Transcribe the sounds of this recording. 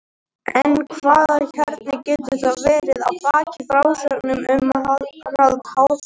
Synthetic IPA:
ɛnkʰvaːðaçœɾt̪̚nɪcɛːt̪ʏʏθt̪avvɛːɾɪða̰ðfaːcɪfɾaːwsœknʏmʏm | alt̪haw

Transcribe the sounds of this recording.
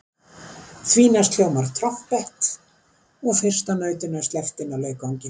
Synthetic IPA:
θviːnast̪l̥jowmaɾ̥t̪ʰɾɔfpɛht̪ | ɔɣfɪr̥st̪anœːɥt̪ɪnast̪lɛft̪ɪnːalœːɥkawŋcɪ

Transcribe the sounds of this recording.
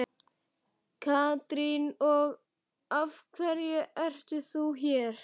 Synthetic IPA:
kʰaːt̪ɾinɔɣ | avkʰvɛɾjʏʔɛr̥t̪ʏθuçɛɾ̥

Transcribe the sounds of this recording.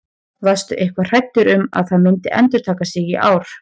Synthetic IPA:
vast̪ʏʔehkvar̥ajt̪ːʏɾʏma̰ðθaðmɪnt̪ɪʔɛ̰nt̪ʏɾt̪ʰaːkasɪɣiʔaːwɾ̥

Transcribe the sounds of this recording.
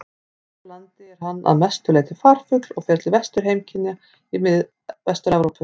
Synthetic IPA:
lant̪ɪɛɾ̥ɦanːa̰ðmɛst̪ʏleːt̪ɪfaːɾ̥fʏklɔɣfjɛɾt̪lɪvɛst̪ʏɾ̥ɦejmcʰɪnja | imɪð | vɛst̪ʏɾɛvɾowpʏ

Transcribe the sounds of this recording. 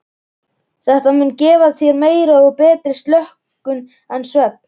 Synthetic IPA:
θɛht̪amʏncɛːvaðθjɛɾmeːjɾaɔɣpɛːt̪ɾɪst̪lœhk | ʏn | ɛnsvɛp̚n̥

